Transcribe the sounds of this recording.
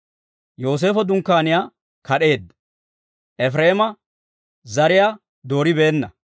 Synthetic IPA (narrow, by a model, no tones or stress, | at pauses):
jo̞ːs̬e̞ːfɔd̪ʊŋkːaːnɪjaː | kɐɗe̞ːd̪ | ʔɛfɾeːmɐ | zɐɾɪja | d̪o̞ːɾɪbeːnːɐ